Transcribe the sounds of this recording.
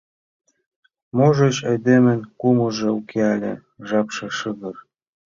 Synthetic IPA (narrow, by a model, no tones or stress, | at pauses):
moʒeɕɑjd̪emə̆nkumɤʒĕukʰeɑlʲḛ̆ | ʒɑpʃĕʃəɣɤr